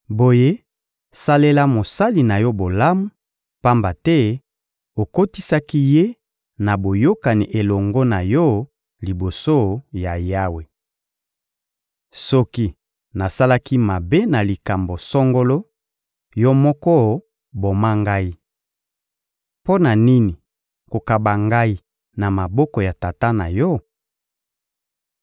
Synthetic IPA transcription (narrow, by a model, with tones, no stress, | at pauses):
bo˨je˦ | sa˦le˦la˦mo˨sa˦li˨na˨jɔ˦bo˨la˦mu˦ | pa˦mba˨tɛ˦ | o˨ko˦ti˦sa˦ki˦je˦ | na˨bo˨jo˦ka˨ni˨ʔe˨lɔ˨ŋɡɔ˦na˨jɔ˦ | li˨bo˨so˦ja˨ja˦we˨ | sɔ˦ki˦ | na˨sa˦la˦ki˦ma˨be˦na˨li˨ka˨mbo˨sɔ˦ŋɡo˦lɔ˦ | jɔ˦mɔ˦kɔ˦ | bo˨ma˦ŋɡa˦i˦ | po˦na˨ni˦ni˨ | ko˨ka˨ba˨ŋɡa˦i˦ | na˨ma˨bɔ˦kɔ˨ja˨ta˨ta˦na˨jɔ˦